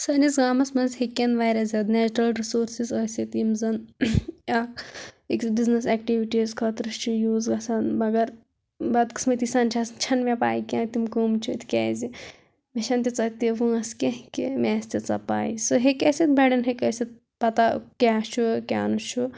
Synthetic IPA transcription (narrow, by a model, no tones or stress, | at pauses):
sɐnisɡaːmɐsmɐnzhekːenʋaːjɾɐzɐt̪neːt͡ʃɾɐlɾisoːɾsizɐːsit̪imzɐn | akiksbiznɐsɛːkʈiʋiʈizkʰɐt̪ɾɨst͡ʃʰujuːzɡɐsɐnmɐɡɐɾ | bɐd̪̚kɨ̥smɐt̪isɐnt͡ʃʰɐsnt͡ʃʰɐnmʲepa̰ːikʲãːkt̪imkuːmt͡ʃʰut̪ʰkʲɛːzi | meʃɐnt̪ʲit͡sɐt̪iʋuɐskʲekimʲɛːsʲt̪it͡sɐpa̰ːisɨɦekesit̪̚bɐɖɐnɦekɐsit̪̚ | pɐt̪akʲaːt͡ʃʰukʲa̰ːnut͡ʃʰu